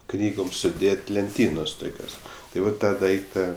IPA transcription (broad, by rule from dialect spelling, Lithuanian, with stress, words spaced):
ˈknʲiːɡoːm sʊˈdʲeːtʲ lʲɛnʲˈtʲiːnoːs ˈtʊkʲoːs tɐɪ ˈʋɐt ˈtɑː ˈdɐɪktɐ